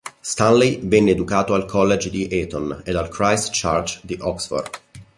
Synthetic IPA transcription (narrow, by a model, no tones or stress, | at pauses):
st̪ãnlivɛnːeːd̪ukaːt̪oalkʰɔlːed͡ʒd̪iʔɛt̪ɔned̪alkɾajst͡ʃart͡ʃd̪iʔɔksfɔ̰rd̪